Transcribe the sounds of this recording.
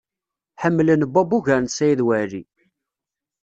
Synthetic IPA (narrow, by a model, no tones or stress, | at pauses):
ħəmːlənbæbuʝæɾnsæjiðwæɾi